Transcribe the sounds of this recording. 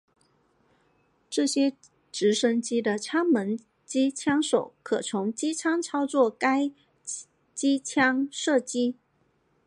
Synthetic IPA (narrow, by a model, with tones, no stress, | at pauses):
ʈ͡ʂɤ˥˩ɕjɛ˥ | ʈ͡ʂɻ̩˧˥ʂə˥ŋt͡ɕi˥d̪ə˨t͡ɕʰjɑ˥ŋmə˧˥n | t͡ɕi˥t͡ɕʰjɑ˥ŋʂo˨˩ʊkʰɤ˨˩t͡sʰʊ˧˥ŋt͡ɕi˥t͡ɕʰjɑ˥ŋt͡sʰɑ˥ʊt͡swɔ˥˩ka˥ɪ | t͡ɕi˥t͡ɕʰjɑ˥ŋʂɤ˥˩t͡ɕi˥